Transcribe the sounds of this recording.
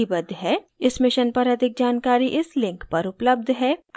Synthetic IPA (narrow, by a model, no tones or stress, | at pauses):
ibɐd̪ʱɦɛː | ɪsmɪʃənpɐɾɐd̪ʱɪk̚d͡ʒaːnkaːɾiʔɪslɪ̃ŋkpɐɾʊpləb̚d̪ʱɦɛː